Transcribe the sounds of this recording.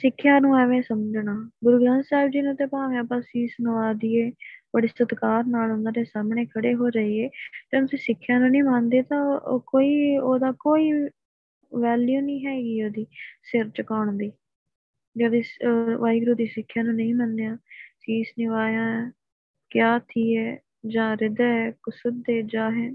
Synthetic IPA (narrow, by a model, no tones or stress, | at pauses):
sɪkʰːjaːnũːɛʋẽːsəmd͡ʒnaːɡʊɾɡd̪ə̃nsaɪbd͡ʒiːnũːt̪eːpãːʋẽːəpːaːsiːsnəʋaːd̪iːeːpəɽɪstət̪kaːɾnaːlɦʊ̃nd̪aːd̪eːsaːmɳeːkʰəɽeːɦoːd͡ʒəiːeːt̪ẽːnsiːsɪkʰːjãːnũːnĩːmãːnd̪eːt̪ãːkoːiːoːd̪aːkoːiː | ʋɛːljuːnĩːɦɛːɡiːoːd̪iːsɪɾt͡ʃəkaːɳd̪iː | d͡ʒəd̪eːʋaːiɡɾuːd̪iːsɪkʰːjãːnũːnəĩːmənːejãːsiːsnɪʋaːjãː | kjaːt̪ʰiːɛː | d͡ʒãːɾɪd̪ɛːkʊsʊd̪eːd͡ʒaːɦɛ̃ː